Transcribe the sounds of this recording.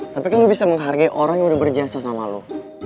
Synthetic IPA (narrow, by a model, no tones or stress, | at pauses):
t̪apikanlubisaməŋɦarɡaiʔoɾaŋjaŋudahbərd͡ʒasasamalṵ